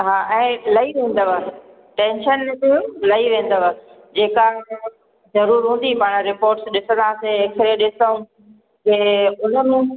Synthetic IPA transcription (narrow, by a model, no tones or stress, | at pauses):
ɦaːʔɛ̃ːlɐiʋẽːn̆d̪aaː | ʈẽːnʃənmẽt̪ẽlɐiʋẽːn̆d̪aʋaː | d͡ʑeːka | zɐɾuːɾɦũːn̆d̪ipaːɽ̃ɾɪpoːɾʈsɗɪsə̃nd̪aːseeksɾeeɗɪsaũ | keʊn̤ə̆mũ